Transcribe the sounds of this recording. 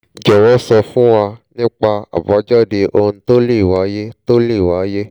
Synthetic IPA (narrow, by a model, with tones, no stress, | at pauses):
d͡ʒɔ˨wɔ˨˦sɔ˧fũ˦wa˧nĩ˦k͡pa˧a̰˨ba˨˦d͡ʒɔ˦˨de˧ʔo˧ñ̩˧to˦le˦i˨wa˨˦je˦to˦le˦i˨wa˨˦je˦